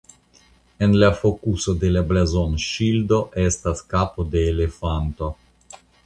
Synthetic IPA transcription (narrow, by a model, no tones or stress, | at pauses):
e̞nlafo̞kusode̞lablazonʃildo̞ʔe̞staskapode̞ːle̞fanto̞